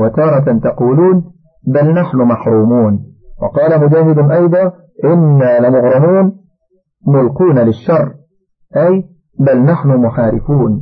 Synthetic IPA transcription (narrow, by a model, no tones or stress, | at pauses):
wat̪ɑːɾˤɑt̪ɑquːluːn | balnaħnʊmaħɾˤuːmuːnwɑqɑːlamʊd͡ʒaːɦɪd̪ʊʔɑjd̪ˤɑː | ʔɪnːaːlɪmʊɣɾˤɑmuːn | mʊlquːnalɪʃːɑrˤː | ʔaj | balnaħnʊmʊħaːɾɪfuːn